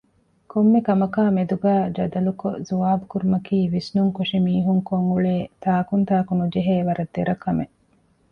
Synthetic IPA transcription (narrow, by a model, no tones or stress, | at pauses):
komːekɐmɐkaːmed̪uɡæːd͡ʒɐd̪ɐluko̰zuʋaːbukuɾumɐkiːʋisnuŋkoʂimiːɦuŋkoŋɡuɭeːt̪aːkunt̪aːkunud͡ʒeɦeːʋɐɾɐd̪ːeɾɐkɐme